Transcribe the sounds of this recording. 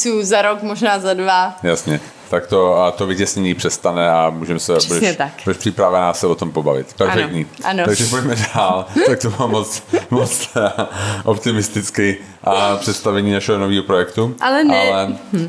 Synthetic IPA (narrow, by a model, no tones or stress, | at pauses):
suːzaɾokmoʒnaːzadvajasɲɛ | t̪akt̪ot̪ovɪcɛsɲɛɲiːpr̥ɛst̪anɛamuːʒɛmsɛbuɛɛt̪akbudɛʃpr̥ɪpɾavanaːsɛvot̪ompobavɪ̰t̪pɛɾfɛkkt̪ɲiːʔanaɡʒɛpocmɛdaalt̪ak̚t̪omamːot͡smot͡s̪ | ʔopt̪ɪmɪst̪ɪt͡skɪ | ʔapr̝̥ɛt̪st̪avɛɲiːnaʃɛɦonoviːɦopɾojɛkt̪uʔalɛnʔalɛ